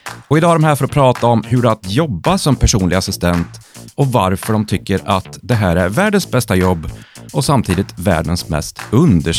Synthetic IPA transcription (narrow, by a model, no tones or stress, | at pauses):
ɔɪd̪ɑːɾɔmhæːɾfɔɾɔpʰɾɑːt̪aɔmɦɵɖɛat̪jɔbːasɔmpʰæʂuːnlɪɡasɪst̪ɛnt̪ɔvaɾfœɖɔmt̪ʰʏkːəɾat̪d̪ɛɦæːɾæɾvæːɖənsbɛst̪ajɔbːɔsamt̪ʰiːd̪ɪt̪væ̰ːɖənsmɛ̰st̪ɵnd̪əʂ